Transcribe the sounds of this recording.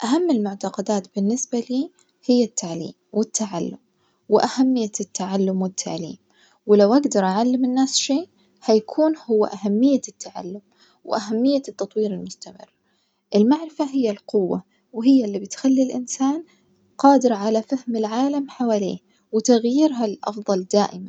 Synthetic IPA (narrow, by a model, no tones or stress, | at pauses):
ʔaɦamːɪlmʊʕt̪ɑqɑd̪aːt̪bɪnːɪsbaliː | hɪjːat̪ʰːaʕlḭːmwɪt̪ːaʕalːʊm | wɪʔahamːɪjːat̪ːaʕalːʊmwɪt̪ʰːaʕlḭːm | wɪlawʔaɡd̪ɑɾˤʔaʕalːɪmɪnːaːsʃeː | hajakʰuːnhʊwːa̰ʔahamːɪjːat̪ːaʕa̰lːʊm | wɪʔaɦamːɪjːat̪ːɑt̪ˤwiːɾɪlmʊst̪amɪ̰rː | ʔɪlmaʕɾɪfaɦɪjːalqʊwːa | wɪɦɪjːalːibɪt̪xalːilʔɪ̰nsaːn | qɑːd̪ɪɾʕalafahmɪlʕaːlamħawaːliː | wɪt̪aɣjɪɾɦalʔɑ̰fðˤɑld̪aːʔɪma